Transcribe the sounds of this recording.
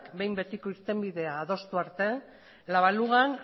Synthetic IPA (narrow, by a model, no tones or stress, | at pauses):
kbe̞jmbe̞t̪iko̞iɾt̪e̞mbiðe̞aːð̞o̞st̪uaɾt̪e̞ | laβaluɣan